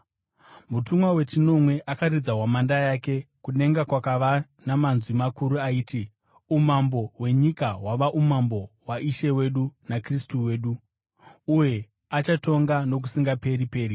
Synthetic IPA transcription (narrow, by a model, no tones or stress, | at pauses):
mutumwawe̞t͡ʃino̞mwe̞ʔakarid͡zawamandajake̞kune̞ŋɡakwakaʋa | namanzwimakuɾuaiːti | umambo̞ɦwe̞ɲikawaʋaʔumambo̞waʔiʃe̞we̞ɗunakristuwe̞ːɗuː | je̞ | at͡ʃato̞ŋɡano̞k̬usiŋɡape̞ɾipe̞ːɾi